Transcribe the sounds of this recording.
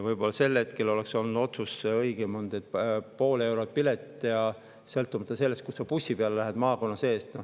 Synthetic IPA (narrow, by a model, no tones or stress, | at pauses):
vɤjbo̞lːɑse̞lːhe̞t̪ke̞lo̞lekso̞lnud̪̥o̞t̪suseɤjɡ̥emond̪ed̪̥̚po̞ːle̞wɾot̪̚pilet̪ːˑejɑ | selt̪ːˑumɑt̪ːˑɑse̞lːe̞st̪̚kusːɑpusːipeɑlelæɦed̪̥mɑːko̞nːɑse̞ːst̪n